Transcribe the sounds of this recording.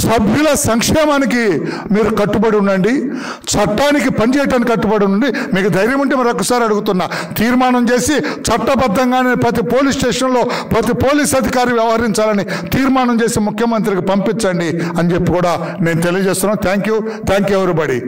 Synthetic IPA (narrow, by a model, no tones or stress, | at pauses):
sɐbʱjulɐsɐŋkʂɛːmaːniki | miːɾukɐʈːubɐɽiunːɐɳɖi | t͡ʃɐʈːaːnik̬ipɐnit͡ʃɛːjɐʈaːnkikɐʈːubɐɽiunːɐɳɖimiːkud̪ʱɐjɾjɐmuɳʈemɐɾɔkːɐsaːɾiɐɽuɡut̪unːaː | t̪iːɾmaːɳɐmt͡ʃe̞ːsit͡ʃɐʈːɐbɐd̪ːɐŋɡaːneːpɾɐt̪̬ipoːliːsʈeːʂɐnlo̞ːpɾɐt̪ipo̞ːliːsɐd̪ʱikaːɾiʋjɐʋɐɦɐɾiɲt͡ʃaːlɐni | t̪iːɾmaːɳɐmt͡ʃe̞ːsimukʰjɐmɐnt̪̬ɾikipɐmpiɲt͡ʃːɐɳɖiɐnd͡ʒepːikuːɽaː | ne̞ːnut̪elijɐd͡ʒeːst̪unːaːt̪ʰaːŋkju | t̪ʰaːŋkjuɛʋɐɾibɐɽḭ